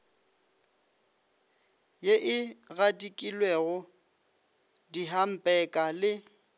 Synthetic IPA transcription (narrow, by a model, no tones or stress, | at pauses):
jeʔɪɣadikʼilweɣʊ | diɦam̩pʼɛkʼalɪ